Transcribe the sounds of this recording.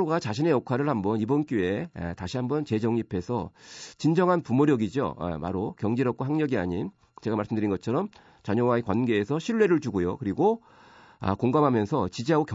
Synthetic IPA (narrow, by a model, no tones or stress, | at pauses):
oɡat͡ɕaɕʰine̞jʌkʰaɾɯɭhambʌnibʌnk͈joe̞̰taɕʰiɦambʌnt͡ɕe̞d͡ʑʌŋɲipʰe̞sʰʌt͡ɕind͡ʑʌŋɦanpumoɾjʌɡid͡ʑo̰ḛma̰ɾokjʌŋd͡ʑiɾʌp̚k͈ʰoɦaŋɲʌɡiaɲin | t͡ɕe̞ɡamaɭs͈ɯmndɯɾinɡʌt͡ɕʰʌɾʌm | t͡ɕaɲʌwaekwanɡe̞ːsʰʌɕʰiɭːe̞ɾɯɭtuɡojo̰kɯɾiɡo | a̰koŋɡamɦamjʌnsʰʌt͡ɕid͡ʑiɦaɡokj